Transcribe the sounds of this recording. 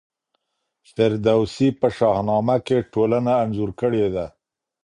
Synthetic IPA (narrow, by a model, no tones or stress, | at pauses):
sɪɾd̪awsipəʃɑhnɑmakeʈolanaːnzuɾkəɽed̪a